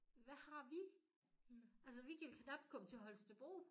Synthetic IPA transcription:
ʋæhɑ̈ʋi | æls̬əʋikʰælkʰnɑ̈b̥kʰɔ̽m̥t͡sʰe̝ɦɒ̽lsd̥eb̥o̰ː

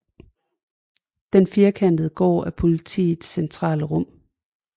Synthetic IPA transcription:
d̥enfiːɐkʰæn̰d̥ð̩ˠɡ̥ɒ̰ːæpʰo̝lit͡sʰḭːð̩ˠsent͡sʰʁɑ̰̈ːləʁɔ̽m̰

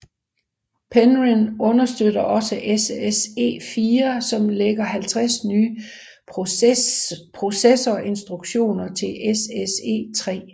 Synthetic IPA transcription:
pʰenʁinɔ̽nɐsd̥øɾ̥ɐʔɒ̽səʔesese̝̰ːfiːɐsɒ̽mleɡ̥ɐɦælt͡sʰʁasnyː | pʰʁo̝sesɐːʔe̝nsd̥ʁuɡ̥ɕo̝̰ːnɐt͡sʰe̝lʔesese̝̰ːt͡sʰʁɛ̰ː

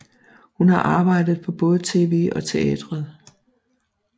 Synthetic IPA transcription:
hunhɑ̈ʔɑ̈ːb̥ɑ̈ɪ̰d̥ð̩ˠpʰɒ̽b̥ɔ̽ːð̞̩ˠt͡sʰe̝ːʋe̝̰ːʔɒ̽t͡sʰe̝ɛd̥ʁɐð̩ˠ

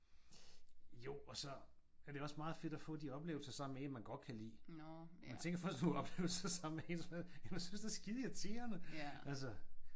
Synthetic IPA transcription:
jo̝ɒ̽sɒ̽æɐd̥e̝ɒ̽smɑ̈ːð̩ˠfe̝d̥ɒfɔ̰̽ːd̥iɒ̽b̥le̝ːʊl̩sɐsɑ̈m̰meenmænɡ̥ɒ̽d̥̚kʰælḭːmænt͡sʰeŋɡ̥ɐfɶsd̥nuɒ̽b̥le̝ːʊl̩sɐsɑ̈m̰̩meensmeð̩ˠjæmsynsd̥æsɡ̥iðˠjɑt͡sʰe̝ːɐnəʔælsɐ

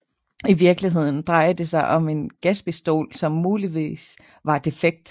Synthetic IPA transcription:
iʋiɐɡ̥liɦe̝ð̞̰ˠn̩d̥ʁɑ̈ɪ̰ɐd̥e̝sɑ̈ɪʔɒ̽me̝nɡ̥æsb̥isd̥o̝̰ːlsɒ̽mːuːliʋḭːs | ʋɑ̈d̥e̝feɡ̥̚d̥

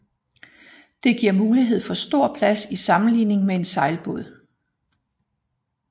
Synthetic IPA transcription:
d̥e̝ɡ̥iɐ̰muːliɦe̝ð̞̰ˠfɒ̽sd̥o̝ɐ̰pʰlæsisɑ̈mn̩lḭːne̝ŋmee̝nsɑ̈ɪlb̥o̝ðˠ

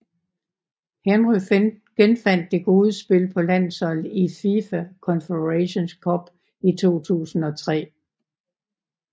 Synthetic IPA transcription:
henʁyɡ̥enfæn̰d̥ːe̝ɡ̥o̝ːð̞ˠəsb̥e̝lpʰɒ̽læn̰ðsɒ̽lififækʰɒ̽nfedʁæɕo̝nskʰɒ̽b̥ | it͡sʰo̝̰ːt͡sʰṵːsn̩ɒ̽t͡sʰʁɛ̰ː

